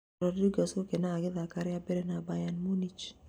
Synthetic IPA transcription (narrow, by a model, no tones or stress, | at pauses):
ɾɔdiɡasokenaaɡɪðakaɾjabeɾɛnabajanmonit͡ʃ